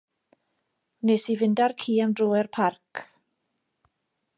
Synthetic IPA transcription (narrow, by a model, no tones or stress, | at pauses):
nesivɪndarkʰiːamdroːɛrpʰarkʰ